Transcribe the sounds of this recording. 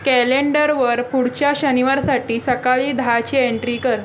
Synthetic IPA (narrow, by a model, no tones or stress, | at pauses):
kɛleɳɖəɾʋəɾpuɽt͡ɕjaɕəniʋaɾsaʈiːsəkaɭiːd̪ʱat͡ɕieɳʈɾiːkəɾ